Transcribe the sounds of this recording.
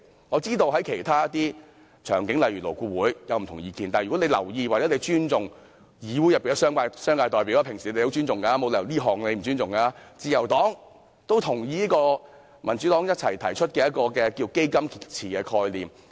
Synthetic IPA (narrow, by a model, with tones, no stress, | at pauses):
ŋɔː˨˧t͡siː˥t̪o˧wɦɐ˨˥jkʰe˨˩jt̪ʰaː˥t̪iː˥ | t͡ʃʰœ̰ː˨˩ŋkɪ˨˥ŋlɐ˨jɥy˨lo˨˩wkuː˧wuː˨˥jjɐ˨˧wm̩˨t̪ʰʊ˨ŋjiː˧kiː˧nt̪aː˨˩jy˨˩ɔ˨˥ne˧lɐ̰˨˩wjiː˧waː˨k̚t͡sɛː˨˥le˧jt͡ʃyː˥nt͡sʊ˨ŋ | jiː˨˧wuː˨˥jɐ˨pːi˨n˧sœː˥ŋkaː˧sœː˥ŋkaː˧jt̪ɔː˨jp̬i˨˥wlaː˧pʰɪ˨˩ŋsi˨˧e˨ho˨˥t͡ʃy˥nt͡sʊ˨ŋka˧˥mo˨˧wlɛ˨liː˥ɦɔː˨˩ŋne˨˧jm̩˨˩t͡ʃyː˥nt͡sʊ˨ŋkaː˧t͡siː˨˧jɐ˨˩wt̪ɔː˨˥ŋ | t̪o˥wt̪ʰʊ˨˩ŋjiː˧˥i˥kɔː˧ | mɐ˨˩nt͡ʃyː˨˥t̪ɔː˨˥ŋjɐ˥t̚t͡sʰɐ˨˩jt̪ʰɐ˨˩jt͡ʃʰɵ˥t̚kɛː˧jɐ˥t̚kɔː˧kɛː˧kiː˧wke˥jkɐ˥mkʰi˨t̚t͡sʰiː˨˩kɛː˧kʰɔː˧jliː˨˩m